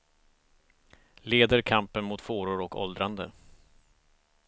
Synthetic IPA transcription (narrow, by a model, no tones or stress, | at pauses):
leːd̪əɾkʰampənmʊt̪foːɾʊɾɔkɔ̰ld̪ɾand̪ə